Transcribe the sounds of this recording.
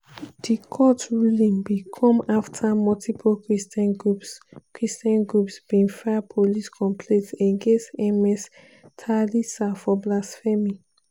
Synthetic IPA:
d̥ikʰɔtɹulĩnbikʰɔ̃maftʰamɔltʰipʰokɹistnɡupskʰɹistɔ̃nɡɹupsb̥ĩnfɛapʰoliskʰɔ̃mpʰlẽtsẽŋɡẽsɛmɛs | tʰalisafɔblasfɛmi

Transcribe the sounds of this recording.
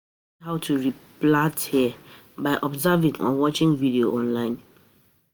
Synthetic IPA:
haʊtʰuɹiplathiə | baɪʔɔbzavĩŋɔ̰̃wɔt͡ʃɪ̃ŋvidioʔɔ̃nlãɪ̃n

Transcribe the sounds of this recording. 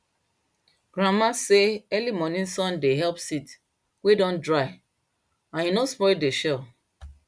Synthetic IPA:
ɡ̥ɹãmaseɛlimɔnĩnsɔ̃ndeɦɛlpsit | wedɔ̃ndɹaɪ | ãnhinospɔɹideʃɛl

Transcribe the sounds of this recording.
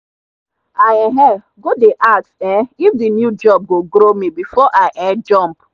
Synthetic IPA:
ajɛɦɛ | ɡodeʔatsɛifdinjud͡ʒɔb̚ɡoɡɾomibifɔʔaɪʔɛd͡ʒɔmp

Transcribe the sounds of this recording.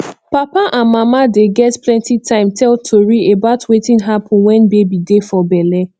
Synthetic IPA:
papaʔãnmamadeɡɛtplɛ̃ntitʰãɪ̃mtʰɛltʰoɹiebaʊtwetĩnɦapʰɔ̃nwɛ̃nbebidefɔbɛlɛ

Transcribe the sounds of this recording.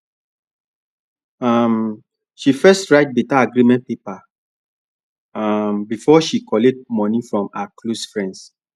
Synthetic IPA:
am | ʃifɛstɹaɪt̚bitaaɡɹimɛ̃npepa | ambifɔʃikɔlet̚mɔ̃nifɹɔ̃makʰlosfɹɛ̃nds

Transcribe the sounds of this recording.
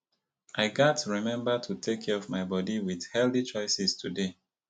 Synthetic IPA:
ʔaɪɡatɹimɛ̃mbətʰutʰekʰɛɹɔvmaɪbɔdiwið̥hɛldit͡ʃɔɪsistʰude

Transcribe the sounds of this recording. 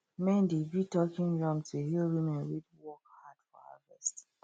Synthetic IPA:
mɛ̃ndebitɔkɪ̃ŋɹɔ̃mtʰuɦilwimɛ̃nɾidwɔkhadfɔ̰ha̰vɛst

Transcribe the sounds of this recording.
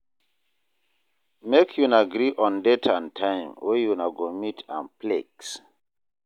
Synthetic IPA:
mekʰjunaɡɾiʔɔ̃ndɛtʰãntʰãɪ̃mwejunaɡomitʰã̰npleks

